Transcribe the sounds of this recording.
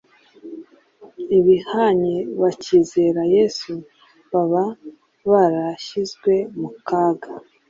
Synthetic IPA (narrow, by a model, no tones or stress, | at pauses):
iβihaɲeβaciːze̞ɾajesu | βaβa | βaɾaʃizɡwe̞mukaːɡa